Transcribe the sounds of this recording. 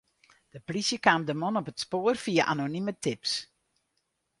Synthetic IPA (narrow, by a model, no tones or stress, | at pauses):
d̥əprisjəkaːmdəmonɔpətspoərfiəʔa̰nonimətʰɪps